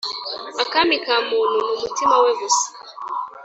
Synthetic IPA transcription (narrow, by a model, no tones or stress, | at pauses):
akamikamununumutimawɛɣusi̥